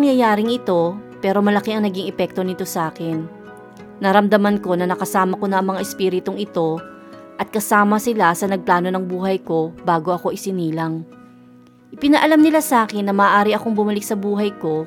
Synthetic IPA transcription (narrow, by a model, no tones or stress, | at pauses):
ŋjajaːɾɪŋʔɪt̪o̞pɛːɾo̞mɐlɐkiʔɐŋnɐɡɪŋʔɛpɛk̚t̪o̞nɪt̪o̞sʔaːkɛnː | ɐɾɐmd̪ɐmanko̞nɐnɐkɐsaːmɐkonɐʔɐŋmɐŋaʔɛspiːɾɪt̪oŋʔɪt̪o̞ | ʔɐt̪̚kɐsaːmɐsɪlasɐnɐɡ̚plaːno̞nɐŋbuːɦɐjko̞baːɡo̞ʔɐko̞ʔɪsɪniːlɐŋ | ʔɪpɪnɐʔɐlamnɪlasʔaːkɪnːɐmɐːʔaːɾɪʔɐko̞ŋbʊmɐlɪk̚sɐbuːɦɐjko̞